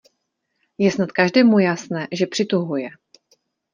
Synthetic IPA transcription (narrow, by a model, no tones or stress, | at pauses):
jɛsnat̪kaʒdɛːmujasnɛːʒɛpr̝̥ɪt̪uɦujɛ